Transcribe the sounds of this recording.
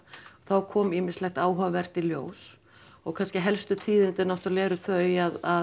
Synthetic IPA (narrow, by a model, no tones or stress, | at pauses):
θawkʰɔːmɪːmɪslɛxt̪aːwɦœvɛr̥t̪iljo̰ːws | ɔɣkʰanscɪɦɛlst̪ʏt̪ʰiːðɪnt̪ɪnɔht̪alɛːɾʏθœɥjaða